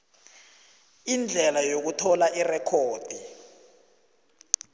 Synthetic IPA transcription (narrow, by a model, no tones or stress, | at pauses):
ind͡ɮʱɛlajok̬utʰɔlaʔirɛkʰoːd̥ʱi